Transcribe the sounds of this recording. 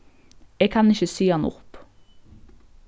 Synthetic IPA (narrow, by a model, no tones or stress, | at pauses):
eːɡ̚kʰɑnɪçəsiːɑnʊ̰p